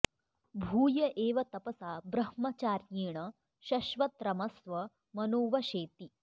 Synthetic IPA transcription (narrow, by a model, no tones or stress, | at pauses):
bʱuːjɐʔeːʋɐt̪ɐpɐsaːbɾɐhmɐt͡ʃaːɾjiːɳɐ | ʃɐʃʋɐt̪ɾɐmɐsʋɐ | mɐnoːʋɐɕeːt̪i